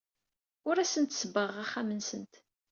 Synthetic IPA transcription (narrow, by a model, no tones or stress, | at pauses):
ʊɾæsənt̪səbəʁæχːamənsənt̪